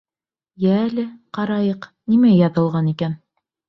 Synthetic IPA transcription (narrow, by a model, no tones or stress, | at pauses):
jæːlɘqɑɾɑjɤqnimæjɑðɤ̆lˠʁɑnikæn